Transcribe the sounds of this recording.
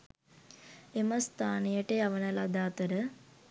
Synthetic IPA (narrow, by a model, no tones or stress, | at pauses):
eməst̪ʰaːnijəʈeaʋənəlad̪aːt̪əɾə